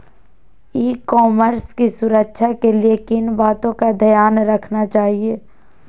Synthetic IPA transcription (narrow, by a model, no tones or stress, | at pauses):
iːkɔːməɾskisʊɾəkʃʰakeliekɪnbaːt̪õkad̪ʱəjaːnɾɐkʰnat͡ʃaːɦieː